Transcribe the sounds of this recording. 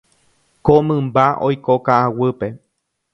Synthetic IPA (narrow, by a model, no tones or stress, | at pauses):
komɨ̃mbaʔo̰jkokaʔawɨpe